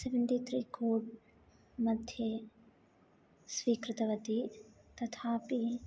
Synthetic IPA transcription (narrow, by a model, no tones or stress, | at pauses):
seʋənʈit̪ɾiːkoːʈ | mɐd̪ʱjə | sʋiːkɾɪt̪ɐʋɐt̪it̪ɐt̪ʰaːpi